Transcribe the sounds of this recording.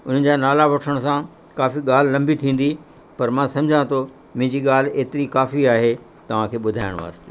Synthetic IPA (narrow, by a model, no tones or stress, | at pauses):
ʊn̤ə̆d͡ʑanaːlaʋɐʈʰəɽ̃sã | kaːfiɠaːl̤ɪlɐ̃mbit̪ʰĩːn̆d̪i | pɐɾmãsɐ̃md͡ʑʱãt̪ʰo | mɪ̃d͡ʑiɠaːl̤ɪeːt̪ɪɾikaːfiaːɦe | t̪ɐʋ̤ãkʰeːɓʊd̪ʱaːɪɽ̃ʋa̰ːst̪e̥ː